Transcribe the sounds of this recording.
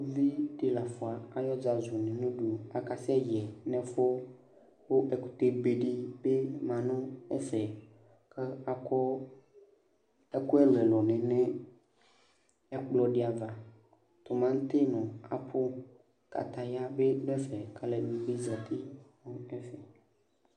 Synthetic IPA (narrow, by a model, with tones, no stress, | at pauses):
vi˦ɖi˨la˨fo˨a˨a˨jɔ˦d͡ʒa˨zu˨nɛ̃˨nũ˦ɖu˨a˨ka˨si˦ɛ˦jɛ˨nɛ̃˨fo˦ | wo˦ʔe˨ku̥˨t̪e˦be˨ɖi˦be˦mã˨nɔ̃˦ɛ˦fɛ˨ | ke˦a˨kɔ˦ | e˦ku˦e˦lɛ˨lɔ˨nɛ̃˨nɛ̃˦ | ɛ˦k͡plɔ˦ɖi˦a˨va˨ | t̪o˨mã˦ŋ̩˦t̪e˦nɔ̃˨a˨pʰo˦ | ka̰˨t̪a˨ja˦be˦lɛ˦fɛ˨ka˨lɛ˨nũ˨be˦za˨t̪i˦nɔ̃˦ɛ˦fɛ˨